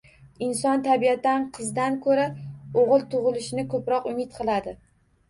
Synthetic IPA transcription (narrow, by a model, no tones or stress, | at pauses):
ɪnsɒnt̪ʰabiat̪ːanqʰɨzd̪ankʰɵɾaoʁɨlˠt̪ʰʊʁɨlɪʃɪnɪkʰɵpɾɒqʊmɪt̪qʰɨlˠad̪ɪ